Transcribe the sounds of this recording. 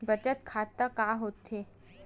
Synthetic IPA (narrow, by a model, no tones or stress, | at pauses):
bət͡ɕət̪kʰat̪ːəkaɦot̪e